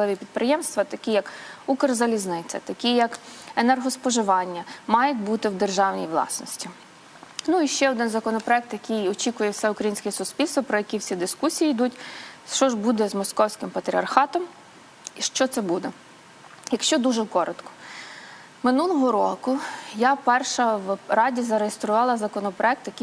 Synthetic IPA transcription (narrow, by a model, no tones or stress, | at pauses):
ɪʋʲipʲid̪̚pɾɪjɛmst̪ʋɐt̪ɐkʲijɐkukɐrzɐlʲiznɪt͡sʲɐ̰t̪ɐkʲijɐkenɛrɦɔspɔʒɪʋɑnʲːɐmɑjɛt̪̚ʲbut̪ɪwd̪erʒɑwnʲḭjʋlˠɑ̰snɔsʲtʲi | nuiʃt͡ʃɛɔd̪ɪnzɐkɔnɔpɾɔɛk̚t̪jɐkʲijɔt͡ʃʲikʊjɛwsɛʊkɾɐjinsʲkɛsʊspʲilʲst̪ʋɔpɾɔjɐkʲiwsʲid̪ɪskusʲijijd̪utʲt͡ʃɔʒbud̪ɛzmɔskɔwsʲkɪmpɐt̪ɾʲiɐrxɑt̪ɔm | iʃt͡ʃɔt̪sɛbud̪ɛ | jɐkʃt͡ʃɔd̪uʒɛkɔɾɔt̪kɔ̥ | mɪnulˠɔɦɔɾɔ̰kʊjapɛrʃɐwrɑdʲizɐɾejɪst̪ɾʊʋɑlˠɐzɐkɔnɔpɾɔɛk̚t̪jɐki